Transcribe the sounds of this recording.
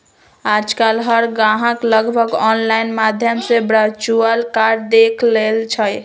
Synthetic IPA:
ad͡ʒkalɦəɾɡãɦãkləɡbʱəɡɔnlajnmad̪ʱjəmsebɾat͡ʃuəlkaɾd̪ekʰlelt͡ʃʰəj

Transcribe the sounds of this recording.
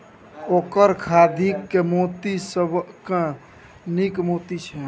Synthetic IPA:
okəɾkʰad̪ʱikːemot̪isəbkẽ | nikmot̪it͡ʃʰɛ

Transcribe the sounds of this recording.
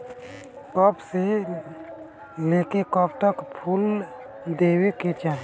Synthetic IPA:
kɔpʰse | leːkekɔp̚t̪əkpʰuːl | d̪eːweket͡ʃaːɦe

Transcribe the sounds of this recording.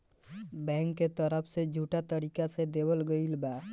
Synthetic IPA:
bɛ̃ŋkːet̪əɾəpʰsed͡ʒʱuʈat̪əɾikased̪ebəlɡəilba

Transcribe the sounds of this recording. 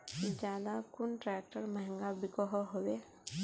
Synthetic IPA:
d͡ʒjaːd̪akʊnʈɾɛk̚ʈəɾməɦɛ̃ŋɡabikɔɦɔɦowe

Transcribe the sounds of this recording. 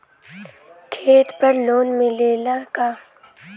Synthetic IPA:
kʰeːt̪pɐɾloːnmẽleːlakaː

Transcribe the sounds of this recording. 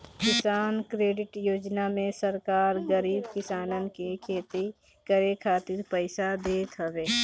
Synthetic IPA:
kɪsaːnkɾeːɖɪʈjoːd͡ʒnamẽsəɾkaːɾɡəɾiːbkɪsaːnən̆kekʰeːt̪i | kəɾekʰaːt̪ɪɾpəɪsad̪eːt̪ɦəʋeː

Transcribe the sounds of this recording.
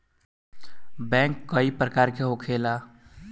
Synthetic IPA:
bɛ̃ŋkːəipɾəkaɾkeɦokʰela

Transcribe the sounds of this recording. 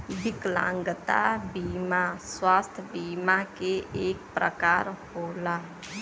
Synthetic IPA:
bɪklã̰ːŋɡət̪a̰biːmaswaːst̪ʰbiːmakeʔeːkpɾə̰kaːɾhoːlaː

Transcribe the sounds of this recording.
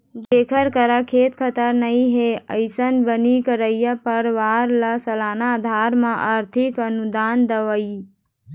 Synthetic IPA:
d͡ʒeːkʰəɾkəɾakʰeːt̪kʰət̪əɾnəĩɦeəɪsənbənikəɾəjjəpəɾʋaɾlasəlaːnad̪ʱaːɾmãʔaɾt̪ʰɪkənud̪aːnd̪əʋəi

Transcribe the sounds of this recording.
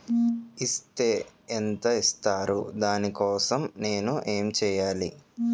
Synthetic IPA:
ist̪e̞ːnt̪ɐist̪aːɾṵd̪aːnikɔːsɐmne̞ːnuʔeːmt͡ʃɛːjaːli

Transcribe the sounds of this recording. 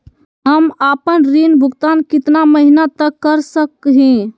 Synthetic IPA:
ɦəmapənɾinbʱuɡt̪ankit̪naməɦinat̪əkːəɾsəkɦĩ

